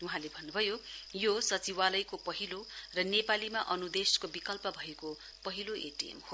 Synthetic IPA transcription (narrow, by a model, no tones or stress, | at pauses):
uɦãlebʱʌnːubʱʌjojosʌt͡siwalʌjkopʌɦilorʌnepalimaʔʌnud̪eskobikʌlpʌbʱʌeko | pʌɦiloʔḛʈiḛmho